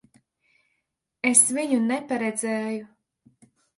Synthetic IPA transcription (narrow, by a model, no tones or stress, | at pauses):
esviɲunepaɾed̪zɛːju